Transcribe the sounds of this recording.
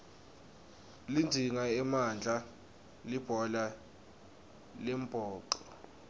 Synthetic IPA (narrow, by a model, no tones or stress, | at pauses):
lind͡zʱiŋaɛmand͡ɮʱa | lib̥ʱɔla | lɛmb̥ʱɔːǃɔ